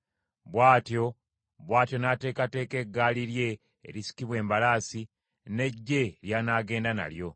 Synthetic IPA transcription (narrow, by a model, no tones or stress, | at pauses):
βwaːtjo̞ | βwaːtjo̞nate̞ːkate̞ːke̞ɡːaːliɾje̞̰ː | ɾisi̥kiβwe̞ːmbalaːsi | ne̞ɟːe̞ɾjaːnaːɡe̞ːndana̰ljo̞